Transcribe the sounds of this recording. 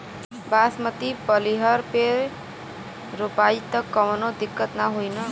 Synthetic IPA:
basmʌt̪ipʌliɦʌɾpeɾ | ɾupait̪ʌkːʌmnod̪ikːʌt̪naɦojnʌ

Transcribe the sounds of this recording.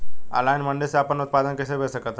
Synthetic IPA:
a̰lajnməɳɖeseapənut̪̚pad̪ənkesebʱesəkət̪

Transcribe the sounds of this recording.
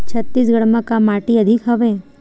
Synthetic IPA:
t͡ʃʰət̪ːis̬ɡəɽməkamaʈiəd̪ʱikɦəʋe

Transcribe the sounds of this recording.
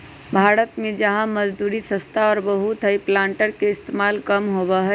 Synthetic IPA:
bʱaːɾət̪mẽd͡ʒɐɦãmɐd͡ʒd̪uːɾisə̃st̪ʰaɔːɾbəɦut̪ʰəiplãːɳʈəɾkeɪst̪eːmaːlkɐmɦoːbaɦɛː

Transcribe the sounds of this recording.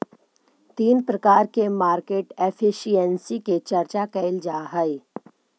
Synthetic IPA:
t̪iːnpɾɐkaːɾkemaːɾkeːʈefʰɪʃiɛnsiket͡ʃɐɾt͡ʃakɛɪld͡ʒaːɦɐi

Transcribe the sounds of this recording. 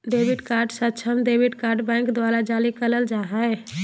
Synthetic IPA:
d̪eːbiɖkaːɾɖsətːt͡ʃʰəmd̪eːbiɖkaːɾɖbɛ̃ːŋkd̪ʋaːɾad͡ʒaːlikələld͡ʒaːɦəe

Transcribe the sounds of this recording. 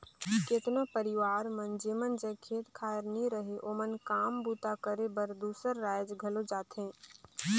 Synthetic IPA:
keːt̪nopəɾɪʋaːɾmənd͡ʒeːmənd͡ʒẽkʰeːt̪kʰaːəɾniɾəɦeʔoːmənkaːmbuːt̪akəɾebəɾd̪uːsəɾːaːjd͡ʒɡʱəlod͡ʒaːt̪ɦẽː

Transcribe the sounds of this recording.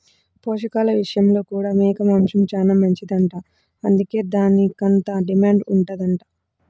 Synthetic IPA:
poːʂɐkaːlɐʋiʂɐjɐmlo̞ːkuːɽaːmɛːkɐmaːmʂɐmt͡ʃaːnaːmɐɲt͡ʃid̪ɐɳʈaː | ɐnd̪uke̞ːd̪aːnikont̪ɐɖimaːɳɖuɳʈad̪ɐɳʈaː

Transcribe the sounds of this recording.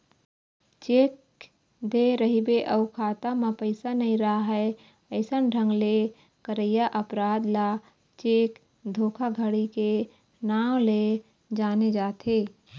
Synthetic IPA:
t͡ʃeːk̚ | d̪eɾəɦibeʔəʊkʰaːt̪amãpəɪsanɐɦĩɾɐɦaɦɛ | əɪsənɖʱə̃ŋɡle | kəɾəjaʔəpɾaːd̪la | t͡ʃeːk | d̪ʱoːkʰaɡʱəɽike | naːwle | d͡ʒaːned͡ʒaːt̪eː

